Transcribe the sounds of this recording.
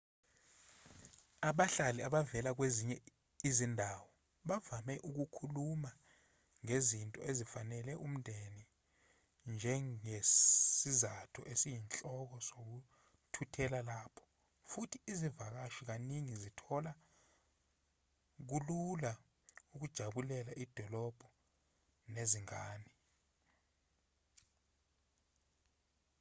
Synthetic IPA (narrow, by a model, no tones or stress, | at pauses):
aɓaɬaliaɓavɛlak̬weziɲɛ | izindʱawɔ | ɓavamɛʔuk̬ukʰuluma | ŋezintʼɔ̰ezifanɛlɛʔum̩ndʱeni | nd͡ʒʱɛesizatʰuʔesijint͡ɬʼɔk̬ɔsok̬u | tʰutʰɛlalapʰɔ̥ | futʰiːzivak̬aʃik̬aniŋizitʰɔla | k̬ulula | uk̬ud̥ʒ̥ʱaɓulɛlaʔid̥ʱɔlɔb̥ʱɔ | neziŋaːni